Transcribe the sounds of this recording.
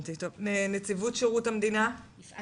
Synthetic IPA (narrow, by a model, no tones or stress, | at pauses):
t̪it̪ovnenet͡sivutʃeʁutamd̪ina